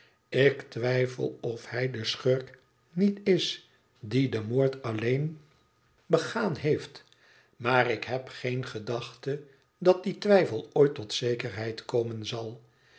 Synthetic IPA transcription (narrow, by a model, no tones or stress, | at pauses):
ɪktʋɛjfə̰lˠɔfhɛjdəsχøɹk | nitɪs | didəmoːɹtɑlejn | bəχaːnɦejft | maːrɪkɦɛpχejnχədɑχtə | dɑt̚ditʋɛjfəlˠoːjtɔtsejkəɹɦɛjtkowmənzɑlˠ